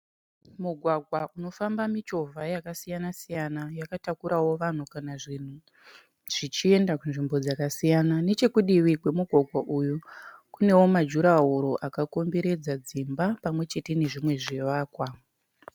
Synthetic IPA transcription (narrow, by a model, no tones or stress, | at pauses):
muɡʱwaɡʱwauno̞fambamit͡ʃo̞vʱajakasijanasijanajakatakuɾawo̞ʋan̤ukanaʐin̤u | ʐ̥it͡ʃie̞ndakunʐimbo̞d͡zakasijanane̞t͡ʃe̞kuɗiwikwe̞muɡʱwaɡʱwaʔujukune̞wo̞mad͡ʒuɾaɦoɾo̞ʔakako̞mbe̞ɾe̞d͡zad͡zimbapamwe̞t͡ʃe̞te̞ne̞ʐimwe̞ʐiʋaːkwa